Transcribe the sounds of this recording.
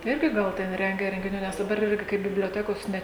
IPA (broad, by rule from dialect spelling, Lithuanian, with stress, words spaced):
tɐɪ ˈɪrʲɡʲɪ ˈɡɐlˠ ˈtʲɛn ˈrʲɛŋʲɡʲɛ rʲɛŋʲɡʲɪˈnʲuː nʲɛs dɐˈbɐr ˈɪrʲɡʲɪ kɐɪ bʲɪbʲlʲoːˈtʲæːkoːs ˈnʲɛ